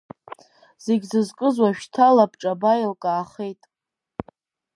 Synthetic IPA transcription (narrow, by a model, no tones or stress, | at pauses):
z̥e̞ɡʲzɨzkʼɨzwaʃᶣtʰalapʰʈ͡ʂʼabajɪlkʼaːχejtʼ